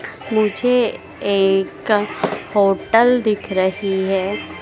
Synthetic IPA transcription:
mʊd͡ʒʱe | eːkhoːʈəld̪ɪkʰɾɐɦiɦɛː

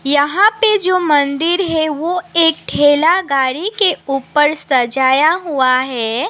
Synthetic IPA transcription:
jɐɦãped͡ʒoːmɐ̃nd̪ɪɾɦɛʋoeːkʈʰeːlaɡaːɽikeuːpəɾsɐd͡ʒaːjaɦuaɦɛː

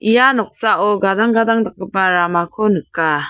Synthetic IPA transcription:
ijanɔk̚saʔɔɡadaŋɡadaŋdak̚ːɯpaɾamakʰɔnɯkːa

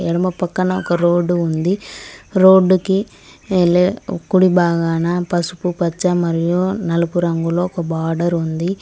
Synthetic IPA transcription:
ɛɽɐmɐpɐkːɐnɐɔkːɐɾoːɖuund̪iɾoːɖukːi | elːekuɽibaːɣaːnɐpɐsu̥pupɐt͡ʃːɐmɐɾijunɐlɐpuɾɐŋɡuloɔkːɐbaːɾɖɐɾund̪i

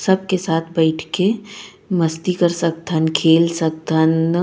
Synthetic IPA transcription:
sɐb̚kesaːt̪ʰbɛɪʈʰke | mɐst̪ikɐɾsɐk̚t̪ʰənkʰeːlsək̚t̪ən

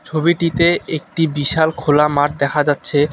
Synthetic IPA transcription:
t͡ɕʰobiʈit̪eek̚ʈibiʃalkʰolamaʈ̚d̪ɛkʰad͡ʑatːɕʰe

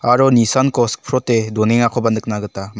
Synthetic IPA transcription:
aɾɔnisankɔsk̚pʰɾɔtedɔneŋakʰɔbandɯk̚naɡɯtam

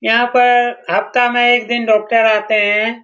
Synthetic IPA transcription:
jɐɦãpɐɾɦɐpt̪amẽeːkd̪ɪnɖɔːk̚ʈəɾaːt̪eɦɛ̃ː

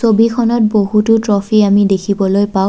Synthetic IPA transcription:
sobikʰɔnɔt̚boɦututɹɔpʰiamidekʰibɔlojpaʊ̃

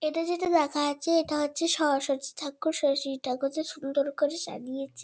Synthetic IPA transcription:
eʈad͡ʑeʈad̪ɛkʰaat͡ɕʰeeʈaɦotːɕʰeʃɔɦoʃoɾt͡ɕi̥t̪ʰakːuʃɔʃit̪ʰakod͡ʑeʃund̪oɾkoɾed͡ʑa̰nijet͡ɕʰe

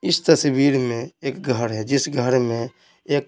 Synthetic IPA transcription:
ɪst̪əswiːɾmẽeːkɡʱəɾɦɛd͡ʒɪsɡʱəɾmẽ | eːk

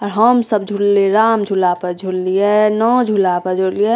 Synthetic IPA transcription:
ɔɾɦəmsəb̚d͡ʒʱulleɾaːmd͡ʒʱulapəɾd͡ʒʱullienɔd͡ʒʱulapəɾd͡ʒʱulie

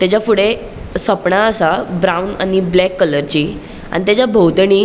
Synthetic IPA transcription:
t̪jat͡ɕafuɽe | səpɳaəsabɾawuna̰niblɛkːələɾt͡ɕiː | a̰ñit̪jat͡ɕjabʱəwt̪əɳiː

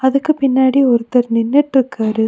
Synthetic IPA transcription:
ɐðɯkːɯpɪnːaːɽiɔɾɯt̪ːɐɾnɪnːɛʈrɯkːɐːɾɯ

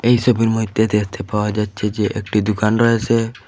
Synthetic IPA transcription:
eɦjsɔbʱiɾmɔɦit̪jet̪eɦət̪ʰepawad͡ʒat͡ʃʰed͡ʒeʔek̚ʈid̪ukanɾɔɦesʰe

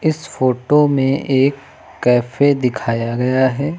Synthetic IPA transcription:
ɪsfoːʈomẽʔeːkː | ɛːfed̪ɪkʰaːjaɡɐjaɦɛː

